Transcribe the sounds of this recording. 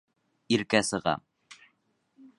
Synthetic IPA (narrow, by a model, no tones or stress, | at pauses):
iɾkæsɤ̆ʁɑ̰m